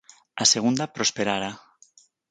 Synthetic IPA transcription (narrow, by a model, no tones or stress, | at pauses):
aseɣ̞und̪apɾospeɾaɾa